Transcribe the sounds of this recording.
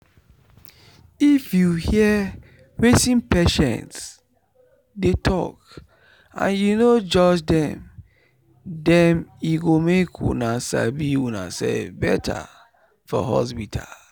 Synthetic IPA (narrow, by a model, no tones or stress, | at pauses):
ifjuhiə | ɹesĩnpɛʃɛ̰̃nts | detʰɔ̰k | ʔã̰njunod͡ʒɔd͡ʒdɛ̃m | dɛmiɡomekʰwṵnasa̰biwuna̰sɛfbɛtʰa̰ | fɔ̰ɦɔ̰s̬pitʰa̰l